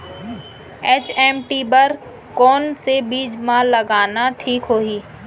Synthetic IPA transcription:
eːt͡ʃɛːmʈibəɾ | kɔːnsebiːd͡ʒmãlɐɡaːnaʈʰiːkɦoːɦiː

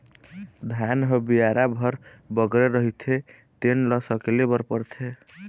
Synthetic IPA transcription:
d̪ʱanɦəbijaɾabʱəɾ | bəɡɾeɾəɦit̪ʰe | t̪enlɔsəkelebəɾpəɾt̪ʰe

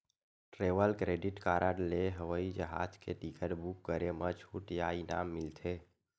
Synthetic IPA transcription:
ʈɾeʋəlkɾeɖiʈkaɾəɖleɦəʋəid͡ʒəɦa̰d͡ʒkʰeʈikəɾbukːəɾemət͡ʃʰuʈjaina̰mːilt̪ʰe

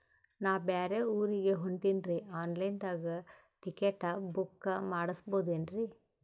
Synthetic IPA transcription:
naːʋbeːɾeuːɾiɡe̞ɦoɳʈinɾiaːnlɐjnd̪aːɡɐ | ʈ̪ikeʈːɐbukːɐmaːɽɐsboːd̪eːnɾi

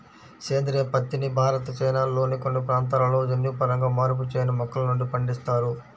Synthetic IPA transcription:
t͡ʃeːnd̪ɾijɐpɐt̪ːinibʱaːɾɐt̪ɐt͡ʃɐjnalo̞ːnikonːipɾaːnt̪̬aːlɐlo̞ːd͡ʒɐnːjupɐɾɐŋɡaːmaːɾup̬ut͡ʃɛːjɐnimɔkːɐlɐnuɳɖipɐɳɖist̪aːɾu

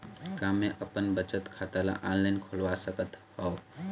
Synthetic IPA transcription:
kamːeʔəpənbət͡ʃət̪kʰat̪ala̰ʔanlaɪnkʰolʋasəkət̪hɔo

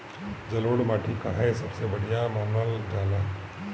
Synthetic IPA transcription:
d͡ʒɐloːɽmaːʈʰikaɦɛsɐbsebɐɽ̤ijamaːnəld͡ʒaːla

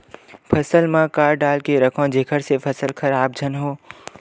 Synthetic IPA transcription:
pʰɐsəlmãkaːɾɖaːlkeɾɐkʰãːd͡ʒʱeːkʰəɾsepʰɐsəlkʰɐɾaːb̚d͡ʒʱənɦoː

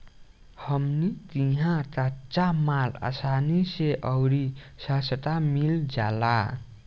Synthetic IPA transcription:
hʌmnit̪iɦãt͡sat͡samala̰saniseʔʌwɾi | sasəʈamild͡zala

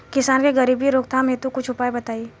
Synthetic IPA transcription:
kɪsaːnkeɡɐɾiːbiɾoːkt̪ʰamẽt̪ukʊt͡ʃʰʊpaːebɐt̪aːi

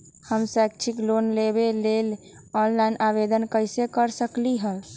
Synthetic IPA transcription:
həmsɛk̚t͡ʃʰiklonlebelel | ɔnlaɪnʔabed̪ənkəjsekəɾsəkliɦəl

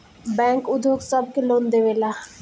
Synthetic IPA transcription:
bɛ̃ːŋkʊd̪ʱjoːksɐb̚keloːnd̪eʋeːlaː

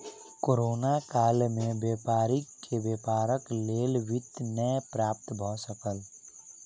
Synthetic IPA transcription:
koːɾoːnakaːlmẽbjeːpaːɾikebjeːpaːɾəkleːlwɪt̪nəjpɾaːp̚t̪bʱɔsəkəl

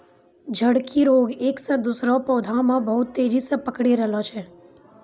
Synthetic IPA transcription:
d͡ʒʱəɽkʰiɾoːɡeːksə̃d̪usɾɔpɔːd̪ʱãmãbəɦʊt̪ːeːd͡ʒisepəkɽeɾɛɦlɔt͡ʃʰɛ

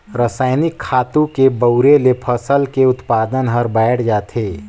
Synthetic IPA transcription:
ɾəsaːɪnɪkʰːaːt̪ũkebɐʊɾelepʰɐsəlkeʊt̪paːd̪ənɦəɾbɛːʈʰd͡ʒaːt̪ʰeː

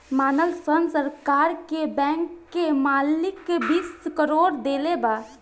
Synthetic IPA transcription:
maːnəlsənsəɾkaːɾkebɛ̃ːŋkːemaːlɪkːebiːskəɾoːɾd̪eːlebaː

